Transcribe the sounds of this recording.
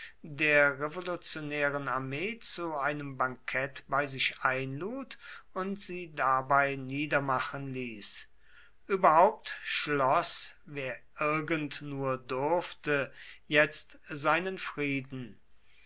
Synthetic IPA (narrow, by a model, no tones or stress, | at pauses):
deːɐʁevolut͡sjonɛːʁənaɐmeːt͡suaɪnəmbaŋkʰɛtb̥aɪzɪʃʔaɪnluːtʊntz̥iːdabaɪniːdɐmaχənliːs | ʔyːbɐhaʊp̚tʃlɔsveːɐʔɪɐɡəntnuːɐdʊɐftəjɛt͡stzaɪnənfʁ̥iːdn̩